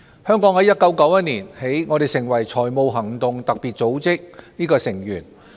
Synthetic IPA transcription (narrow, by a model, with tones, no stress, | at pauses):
hœː˥ŋkɔː˨˥ŋhɐ˨˥jɐ˥t̚kɐ˨˥wkɐ˨˥wjɐ˥t̚niː˨˩nhe˨˥jŋɔː˨˧d̪e˨jsɪ˨˩ŋwɐ˨˩jt͡sʰɔː˨˩jmo˨˧wɦɐ˨˩ŋt̪ʊ˨ŋt̪ɐ˨k̚piː˨t̚t͡so˨˥wt͡sɪ˥k̚niː˥kɔː˧sɪ˨˩ŋjyː˨˩n